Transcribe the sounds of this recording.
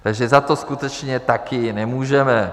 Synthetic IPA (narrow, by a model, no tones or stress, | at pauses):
t̪aɡʒɛzat̪oskut̪ɛt͡ʃɲɛt̪akɪnɛmuːʒɛmɛ